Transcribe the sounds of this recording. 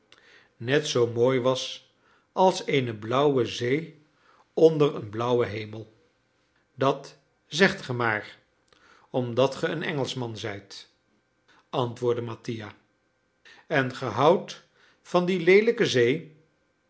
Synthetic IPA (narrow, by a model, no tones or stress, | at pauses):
nɛtsowmoːjʋɑs | ɑlˠsejnəblʌwəzej | ɔndərənblʌwəɦejməlˠ | dɑt | zɛχtχəmaːr | ɔmdɑtχəənɛŋəlˠsmɑnzɛjt | ɑntʋʊːɹdəmɑtija | ɛnχəɦɑwt | fɑndilejləkəzej